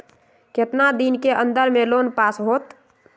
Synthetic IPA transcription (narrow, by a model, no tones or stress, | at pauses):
ket̪nad̪inkeʔənd̪əɾmelonpasɦot̪